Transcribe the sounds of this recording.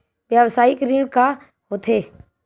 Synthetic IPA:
ʋjaʋsaːɪkɾiːɽkaː | ɦoːt̪ʰeː

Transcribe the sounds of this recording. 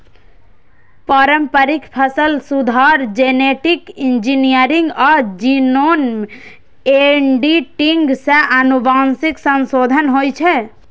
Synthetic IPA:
paɾəmpəɾɪkʰpʰəsəlsud̪ʱaːɾd͡ʒeneʈɪkɪ̃nd͡ʒinijəɾɪ̃ŋɡɔːɾd͡ʒinoːn | eɳɖiʈɪŋɡseʔɐnubaːnsɪksə̃nsoːd̪ʱənɦoːjt͡ʃʰɛ

